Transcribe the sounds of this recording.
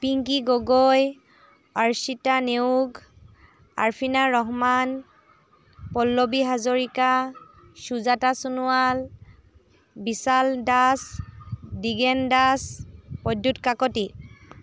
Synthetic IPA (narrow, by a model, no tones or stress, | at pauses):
piŋkiɡɔɡɔj | aɹsitaneuɡ | a̰ɹpʰinaɹɔɦman | pɔlːobiɦazoɹika | ʃuzatasunʊwal | bisaldas | diɡɛndaspɔdːutkakɔti